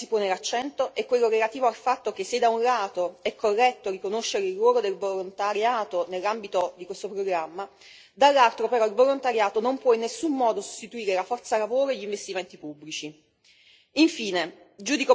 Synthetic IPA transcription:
si̥poːnelat͡ʃːɛnt̪oʔɛkːwelːoɾelat̪iːvoalfat̪ːok̟esːed̪aunlaːt̪oɛkːorːɛt̪ːorikonoʃːeɾeirːwɔːlod̪elvolont̪aɾjaːt̪onelːambit̪od̪ikwest̪opɾoɡɾamːa | d̪alːalt̪ɾopeɾɔilvolont̪aɾjaːt̪onompwɔinːesːumːɔːd̪oso̥st̪it̪uiːɾelafɔrt̪salavoːɾoeʎːiɱvest̪iment̪ipubːlit͡ʃi | iɱfiːne | d͡ʒuːd̪iko

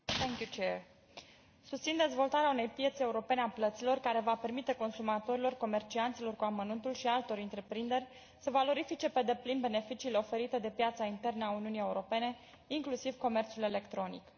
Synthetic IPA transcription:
t̪ʰɛŋkjut͡ʃeɾ | sust̪sind̪e̞zvo̞lt̪aɾeaune̞jpje̞t̪se̞uɾo̞pe̞neaplət̪silo̞rkaɾe̞vape̞rmit̪e̞ko̞nsumat̪o̞ɾilo̞rko̞me̞rt͡ʃiant̪silo̞rkuamənunt̪ulʃialt̪o̞ɾɨnt̪ɾe̞pɾind̪e̞rʲ | səvalo̞ɾifit͡ʃe̞pe̞d̪e̞plinbe̞ne̞fit͡ʃiːle̞o̞fe̞ɾit̪ed̪e̞pjat̪saint̪e̞rnəauniunije̞uɾo̞pe̞ne̞ | iŋklusivko̞me̞rt̪sule̞le̞kt̪ɾo̞nḭk

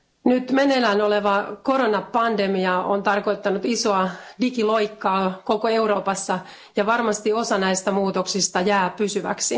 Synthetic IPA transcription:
nyt̪menelænoleʋɑkoɾonɑpɑndemiɑont̪ɑrko̞it̪ːɑnut̪isoɑdikiloikːɑːkokoeuroːpɑsːɑ | jɑʋɑrmɑst̪iosɑnæist̪æmuːt̪oksist̪ɑjæːpysyʋæ̰ksi

